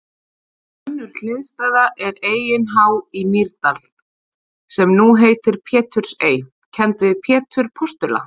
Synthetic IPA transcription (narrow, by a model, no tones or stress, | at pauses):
ɛnːʏɾ̥l̥ɪːðst̪aːðaʔɛɾeːjɪnɦawimiɾt̪al̥ | sɛmnuɦeːjt̪ɪɾ̥pʰɛːt̪ʰʏɾ̥seːj | cʰɛnt̪vɪðpʰɛːt̪ʰʏɾ̥pʰɔst̪ʏla̰